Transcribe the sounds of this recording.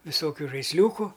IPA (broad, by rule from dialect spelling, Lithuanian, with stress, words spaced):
ʋʲɪˈsoːkʲʊ ʒɐɪsʲˈlʲuːkʊ